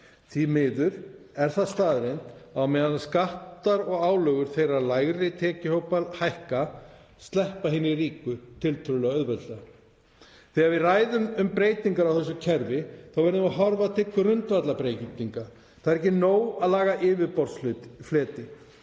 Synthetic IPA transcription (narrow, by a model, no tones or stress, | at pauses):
θvimɪːðʏɾɛɾ̥θaðst̪aːðɾejnt̪awmɛːðanskaht̪aɾɔɣaːwlœɣʏɾ̥θejɾaðlajɣɾɪt̪ʰɛːcɪhowpalhajhka | st̪lɛhpaɦɪnːɪriːkʏt̪ʰɪlt̪ʰœɾʏlɛɣœðvɛlt̪la | θɪaðvɪðraːjðʏmʏmpɾeːjt̪iŋkaɾawθɛs̬ːʏcʰɛɾvɪθawvɛɾðʏmaɦɔɾvat̪ʰɪkːʏrʏnt̪vat̪lapɾejt̪iŋka | θaðɛɾɛhcːɪnoːwaðlaːɣaʔɪːvɪðpɔɾsflʏflɛːt̪ɪ